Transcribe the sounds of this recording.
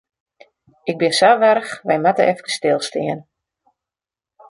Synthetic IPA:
ɪk̚bɪnsaʋɛɾəxʋɛjmatə̰ʔɛfkə̥stɪlˠstɪən

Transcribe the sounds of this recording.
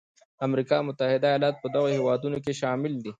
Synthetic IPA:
amɾikɑmʊt̪ahɪd̪ajɑlɑt̪̚pəd̪aɣohewɑːd̪unok̬eʃɑmɪld̪i

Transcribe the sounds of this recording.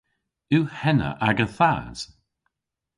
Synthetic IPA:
uːhɛnə̰ʔaɡəθaːz̥

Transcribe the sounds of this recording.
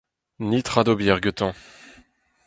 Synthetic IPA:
nit̪χad̪objɛʁɡət̪ɑ̃

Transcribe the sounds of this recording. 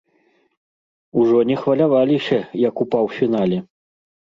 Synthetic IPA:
uʐɔnʲɛxvɐlʲavalʲiɕʲɐjɐkupawfʲinalʲɛ

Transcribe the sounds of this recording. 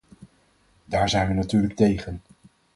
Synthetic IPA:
daːɹzɛjnʋənatyːɹlək̚tejχən

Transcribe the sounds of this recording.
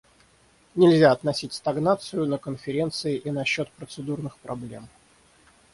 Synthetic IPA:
nʲɪlʲzʲaɐt̪nɐsʲitʲst̪ɐɡnat̪sɨjʊnəkənfʲɪɾʲe̞nt̪sɨɪʔinɐɕːo̞t̪pɾət̪sɨd̪urnɨxpɾɐblʲe̞̰m

